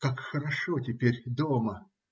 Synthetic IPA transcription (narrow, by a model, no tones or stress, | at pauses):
kakxəɾɐʂotʲɪpʲeɾʲd̪omə